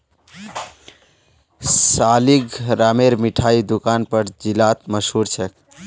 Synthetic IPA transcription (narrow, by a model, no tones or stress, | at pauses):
saliɡɾameɾmiʈʰaid̪ukanpəɾd͡ʒilat̪məsɦuɾt͡ʃʰek